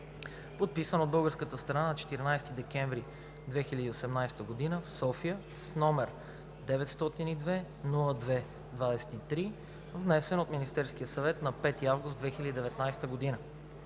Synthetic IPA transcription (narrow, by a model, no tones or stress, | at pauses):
pot̪̚pisənod̪bɤlˠɡəɾskət̪əst̪ɾɐnanɐt͡ʃɛ̥t̪iɾinajst̪id̪ɛkɛ̃ɱvɾi | d̪vɛxilʲəd̪iosɛmnajst̪əɡod̪inəfsɔfijə | snɔmɛɾ | d̪ɛvɛt̪st̪ɔt̪inid̪vɛ | nulˠəd̪vɛ | d̪vad̪ɛsɛ̥t̪it̪ɾi | vnɛsɛnot̪minist̪ɛɾsk̟ijəsɐvɛt̪nɐpɛt̪iavɡʊst̪vɛxilʲəd̪id̪ɛvɛt̪najst̪əɡod̪inə